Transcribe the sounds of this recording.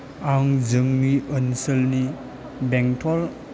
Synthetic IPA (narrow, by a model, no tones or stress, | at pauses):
aŋzɯŋniʔənsəlni | bɛŋtʰɔl